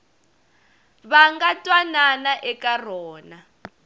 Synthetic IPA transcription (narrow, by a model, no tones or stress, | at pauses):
βaŋɡatʼwananaʔɛkar̤ɔːna